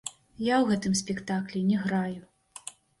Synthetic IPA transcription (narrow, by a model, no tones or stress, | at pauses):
jawɣɛt̪ɨmsʲpʲɛkt̪aklʲɛnʲɛɣɾaju